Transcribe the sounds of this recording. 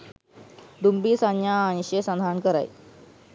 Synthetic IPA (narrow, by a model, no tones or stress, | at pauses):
d̪umbiːsanjãːɕesãnd̪ʱaɳkəɾa̰j